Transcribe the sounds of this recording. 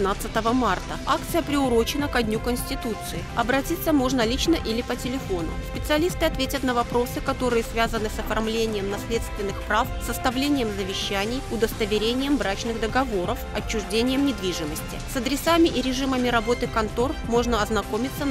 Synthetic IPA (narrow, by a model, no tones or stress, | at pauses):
nat̪sɨt̪əvəmart̪əakt̪sɨjəpɾʲɪʊɾo̞t͡ɕɪnəkɐdʲnʲukənsʲtʲɪt̪ut̪sɨɪɐbɾɐtʲit̪səmo̞ʐnəlʲit͡ɕnəʔilʲɪpətʲɪlʲɪfo̞nʊ̰sʲpʲɪt̪sɨɐlʲist̪ɨɐt̪vʲetʲət̪nəvɐpɾo̞sɨkɐt̪o̞ɾɨjəsvʲazənɨsɐfɐrmlʲenʲɪjəmnɐsʲlʲe̞t̪st̪vʲɪnːɨxpɾafsəst̪ɐvlʲenʲɪjəmzəvʲɪɕːænʲɪjʊd̪əst̪əvʲɪɾʲenʲɪjəmvɾat͡ɕnɨɣd̪əɡɐvo̞ɾəfɐ̰t͡ɕːʊʐdʲenʲɪjəmnʲɪd̪vʲiʐɨməsʲtʲɪ̰sɐd̪ɾʲɪsamʲɪʔɪɾʲɪʐɨməmʲɪɾɐbo̞t̪ɨkɐnt̪o̞rmo̞ʐnəɐznɐko̞mʲɪt̪sːə